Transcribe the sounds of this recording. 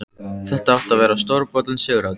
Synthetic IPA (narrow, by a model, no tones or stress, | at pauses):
θɛht̪aawht̪avɛːɾast̪ɔɾpɔt̪lansjʏːɣɾað